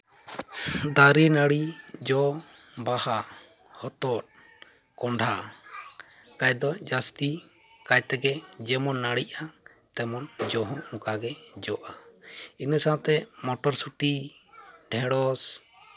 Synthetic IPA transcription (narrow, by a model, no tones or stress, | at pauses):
d̪aɾinaɽid͡ʒɔ | baha | hɔt̪ɔt̚ | kɔɳɖʱa | kajd̪ɔd͡ʒast̪i | kajt̪ɛɡɛd͡ʒɛmɔnːaɽiʔa | t̪ɛmɔnd͡ʒɔɦɔ̃mukaɡɛd͡ʒɔʔainəsaat̪ɛmɔʈɔɾsuʈi | ɖʱɛ̃ɽɔs